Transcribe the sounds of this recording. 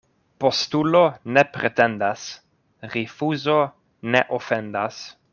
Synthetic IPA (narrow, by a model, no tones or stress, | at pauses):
postulonepɾet̪end̪as | ɾifuzo | neʔofend̪as